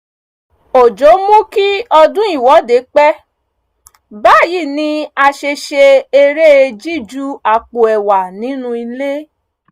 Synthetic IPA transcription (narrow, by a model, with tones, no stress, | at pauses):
o˨d͡ʒo˨˦mũ˦ki˦ɔ˧dũ˦i˦˨wɔ˨˦de˨˦k͡pɛ˦ | ba˦˨ji˦˨nĩ˧˦a˧ʃe˧ʃe˧e˧ɾe˦e˧d͡ʒi˦˨d͡ʒu˦a˨k͡po˨ɛ˨wa˨nĩ˨˦nũ˧i˧le˦